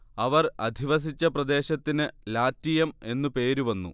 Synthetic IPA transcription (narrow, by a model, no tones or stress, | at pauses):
ɐʋɐrɐ̰d̪ʱiʋɐs̬it͡ɕːɐprɐd̪e̞ːɕɐt̪ːinɨlaːt̪ːijɐme̞nːupe̞ːɾuʋɐnːṵ